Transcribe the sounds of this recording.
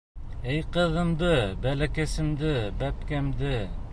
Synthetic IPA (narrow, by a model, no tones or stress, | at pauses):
ɘjqɤ̆ðɤ̆md̪ɤbælækæsɘ̆md̪ɘbæpkæmd̪ɘ